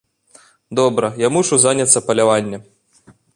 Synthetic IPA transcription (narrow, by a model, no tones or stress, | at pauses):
d̪ɔbɾɐjamuʂuzanʲɐt̪sːɐpɐlʲavanʲːɐ